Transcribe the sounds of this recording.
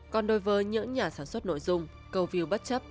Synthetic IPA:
kɔ˨˩nɗo˧jvəː˨˦jɲɨ̰˧˥ŋɲaː˨˩saː˧˩nswə˦˥t̚no̰˧˨jzʊ˧ŋ͡m | kə˨˧˩wvi˨˧˨əwɓə˦˥t̚t͡ɕə˦˥p̚

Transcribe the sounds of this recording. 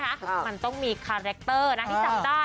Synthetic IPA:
kʰa˦˥ma˧nt̪ɔ˥˩ŋmiː˧kʰaː˧ɾe˦˥k̚t̪ɤː˥˩na˦˥tʰi˥˧˩a˨˩t͡ɕaː˥˩

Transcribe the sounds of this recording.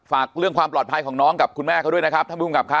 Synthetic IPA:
faː˨˩k̚ɾɯ˥˩əŋkwaː˧mplɔː˨˩t̪̚pʰa˧jkʰɔː˩˦ŋnɔː˦˥ŋka˨˩p̚kʰu˧nmɛː˥˩a˥˩du˥˩ə˨jna˦˥kʰɾ̚t̪ʰaː˥˩˥ka˨˩p̚kʰa˦˥

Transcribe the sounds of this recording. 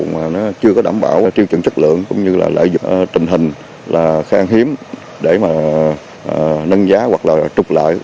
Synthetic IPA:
maː˨˩nɔ˨˦t͡ɕɨ˧əkɔ˨˦ɗaː˧˩mɓaː˧˩wt͡ɕ̪i˧əwt͡ɕɨ̰˨˧˨ŋt͡ɕə˦˥k̚lɨ̰˧˨əŋkʊ̰˧˥ŋ͡mɲɨ˧la̰ː˨˩lə̰ː˧˨jzʊ̰˨˩˨t̪ï˨˩ŋ̟ɦï˨˩ŋ̟ | laː˨˩xaː˧ŋɦi˨˦əm | ɗe˧˩maː˨˩ | ʔnə˧nzaː˨˦ɣwa˨˩k̚laː˨˩t͡ɕ̪ʊ˨˩k͡p̚la̰ː˧˨jʔ

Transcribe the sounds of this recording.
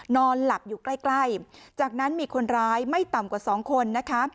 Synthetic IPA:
nɔː˧nla˨˩p̚juː˨˩kla˥˩jkla˥˩jt͡ɕaː˨˩k̚na˦˥nmiː˧kʰo˧nɾaː˦˥jma˥˩jt̪a˨˩mkwaː˨˩sɔː˩˦ŋkʰo˧nːa˦˥kʰa˦˥

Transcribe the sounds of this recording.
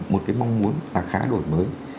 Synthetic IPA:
mo˨˩t̚kaː˨˦jma˧wŋ͡mmu˨˦ənvaː˨˩xaː˨˦ɗo˧˩jməː˨˦j

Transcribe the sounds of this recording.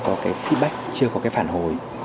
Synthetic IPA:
kɔ˨˦kaː˨˦jfi˦˥t̚ɓa˦˥jk̟̚t͡ɕɨ˧əkɔ˨˦kaː˨˦jfaː˧˩nɦo̰˨˩j

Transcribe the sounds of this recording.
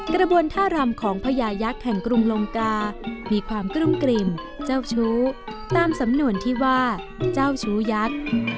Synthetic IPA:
kɾa˧bu˧ənt̪ʰaː˥˩ɾa˧mkʰɔː˩˦ŋpʰa˧jaː˧ja˦˥k̚hɛ˨˩ŋkɾu˧ŋloː˧ŋkaː˧miː˧kʰwaː˧mkɾu˥˩mkɾi˧m | t͡ɕa˥˩wt͡ɕʰuː˦˥t̪aː˧msa˩˦mnu˧ənt̪ʰiː˥˩waː˥˩ | t͡ɕaː˥˩wt͡ɕʰuː˦˥ja˦˥k̚

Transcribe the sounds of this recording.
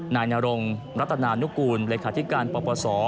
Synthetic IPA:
naː˧jnaː˧ɾo˧ŋ | ɾa˦˥t̪ʰːa˧naː˧nu˦˥kuː˧nleː˧kʰaː˨˦t̪ʰi˦˥kaː˧npɔː˧pɔː˧sɔː˩˦

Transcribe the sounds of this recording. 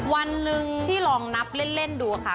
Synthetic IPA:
wa˧nːɯ˧ŋt̪ʰiː˥˩lɔː˧ŋna˦˥p̚le˥˩nle˥˩nduː˧kʰa˥˩

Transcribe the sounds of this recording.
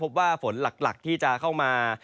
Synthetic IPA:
o˦˥p̬̚waː˥˩fo˩˦nla˨˩k̚la˨˩k̚t̪ʰiː˥˩t͡ɕa˨˩kʰa˥˩wmaː˧

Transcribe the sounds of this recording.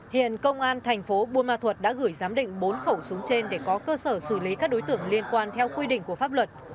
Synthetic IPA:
hḭ˧˨ənkə˧wŋ͡mʔaː˧nt̪ʰa˨˩jŋ̟fo˨˦ɓu˧ənmaː˧t̪ʰwə˨˩t̚ɗa̰ː˧˥ɣɨ˧˩jzaː˨˦mɗḭ̈˧˨ŋ̟ɓo˨˦nxə˧˩wsʊ˨˦ŋ͡mt͡ɕe˧nɗe˧˩kɔ˨˦kəː˧səː˧˩sɨ˧˩li˨˦kaː˦˥k̚ɗo˨˦jt̪ɨ̰˧˨əŋli˧ənkwaː˧nt̪ʰɛ˧wkwi˧ɗḭ̈˧˨ŋ̟ku˧˩əfaː˦˥p̚lwə˨˩t̚

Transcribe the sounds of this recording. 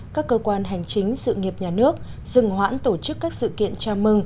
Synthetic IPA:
kaː˦˥kːəː˧kwaː˧nɦa˨˩jŋ̟t͡ɕï˨˦ŋ̟sɨ̰˧˨ŋi˨˩əp̚ɲaː˨˩nɨ˦˥ək̚ | z̥ɨ˨˩ŋhwa̰ː˧˥nt̪o˧˩t͡ɕɨ˦˥kːaː˦˥k̚sɨ̰˧˨kḭ˧˨ənt͡ɕaː˧mɨ˧ŋ

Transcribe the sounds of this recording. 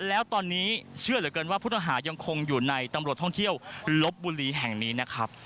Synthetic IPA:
lɛː˦˥wt̪ɔː˧nːiː˦˥t͡ɕʰɯ˥˩əlɯ˩˦kɤ˧nwaː˥˩pʰuː˥˩t̪a˥ŋɦaː˩˦ja˧ŋkʰo˧ŋjuː˨˩na˧jt̪a˧mɾt̪ʰɔ˥˩ŋt̪ʰi˥˩əwlo˦˥p̚buː˧liː˧ɦɛ˨˩ŋniː˦˥na˦˥kʰɾa˦˥p̚

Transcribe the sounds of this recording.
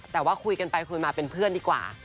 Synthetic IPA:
t̪ɛː˨˩waː˥˩kʰu˧jka˧npa˧jkʰu˧jmaː˧pe˧npʰɯ˥˩əndiː˧kwa̰ː˨˩

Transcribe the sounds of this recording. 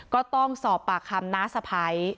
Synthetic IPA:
kɔː˥˩t̪ɔ˥˩ŋsɔː˨˩pːaː˨˩kʰa˧˩mnaː˦˥sa˧pʰa˦˥j

